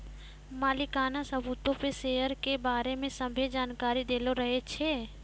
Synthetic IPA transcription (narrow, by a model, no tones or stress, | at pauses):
maːlikaːnasəbut̪opesejəɾkebaːɾemẽsəmbʱed͡ʒaːnkaːɾid̪eːloɾəɦet͡ʃʰeː